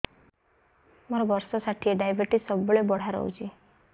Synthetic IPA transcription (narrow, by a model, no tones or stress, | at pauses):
məɾaʋəɾsɔsaʈʰiːɖajbeʈiːsəbɭebɔɽ̤aɾə̰wd͡ʑi